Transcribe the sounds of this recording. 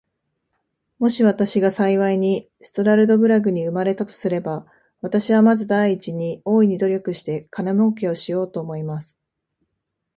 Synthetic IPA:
mo̞ɕiβat̪aɕiɡasaiβaiɲ̟i | sɨ̥t̪oɾaɾɯ̟d̪o̞bɯ̟ɾaɡɯ̟ɲ̟iɯ̟maɾe̞t̪at̪o̞̥sɨɾe̞ba | βat̪aɕiβamazɨd̪aiːt͡ɕiɲ̟io̞ːiɲ̟id̪o̞ɾʲo̞kɯ̟ɕi̥t̪e̞kʰanamoːke̞o̞ɕijo̞ːt̪o̞ːmo̞imasɨ̥

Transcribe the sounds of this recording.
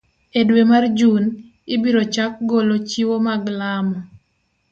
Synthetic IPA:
edwemard͡ʒun | ɪbiɾot͡ʃak̚ɡolot͡ʃiwomaɡlamɔ

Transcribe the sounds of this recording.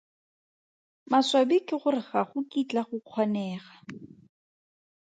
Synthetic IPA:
maswabikɪχʊrɪχaχʊkit͡ɬaχʊq͡χʰɔnɛːχa

